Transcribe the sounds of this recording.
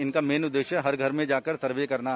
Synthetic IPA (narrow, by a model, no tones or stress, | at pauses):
ɪnkameːnʊd̪ːeːʃjəɦɐɾɡʱɐɾmẽd͡ʒaːkəɾt̪ɐɾʋjekɐɾna